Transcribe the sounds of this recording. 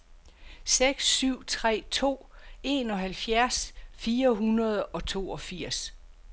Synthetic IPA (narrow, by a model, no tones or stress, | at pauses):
seɡ̥sːyʊ̰t͡sʰʁɛ̰ːt͡sʰo̝̰ː | e̝nɒ̽ɦælfjæɐsfiːɐɦunɐð̞ˠɒ̽t͡sʰo̝̰ːɒ̽fiɐ̰s